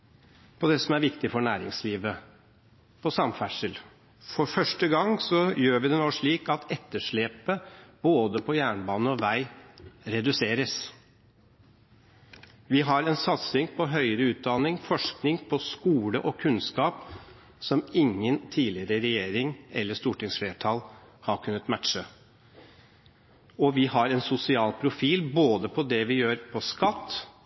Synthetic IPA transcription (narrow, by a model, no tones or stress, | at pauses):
pʰɔd̪ɛsɔmæɾʋɪkt̪ɪfɔɳæːɾɪ̰ŋsliːʋə | pʰɔsɑmfæʂəl | fɔɾfœʂʈəɡɑŋsɔjøːɾʋɪd̪ɛnoːʂɭiːkɑt̪ɛt̪ːəʂɭeːpəb̥oːd̪əpʰɔjæːɳbɑːnəɔʋæɪɾɛd̪ʉseːɾəs | ʋɪɦɑɾɛnsɑt̪sɪŋpʰɔɦœʏəɾəʉːt̪̚d̪ɑnɪŋfɔʂknɪŋpʰɔskuːləʔɔkʰʉnskɑːp | sɔmɪŋːənt̪ʰiːlɪəɾəɾɛjeːɾɪŋɛ̰lːəʂt̪uːʈɪŋsfleːʈʰɑl | hɑɾkʰʉnːət̪mæʈʂə | ɔʋɪhɑɾɛnsʊsɪɑːlpʰɾʊfiːlboːd̪əpʰɔd̪ɛʋɪjøːɾpʰɔskɑt̪ː